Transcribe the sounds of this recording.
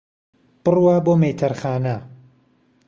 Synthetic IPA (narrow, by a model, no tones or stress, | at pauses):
b̥ɨrwaːboːmejt̪ʰɐɾχaːnɐ